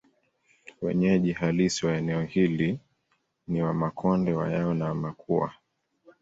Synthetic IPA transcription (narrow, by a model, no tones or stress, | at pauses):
wɛ̰ɲɛʄihalisiwaɛnɛɔhili | niwamakʰɔndɛwa̰jaɔnawamakʰua̰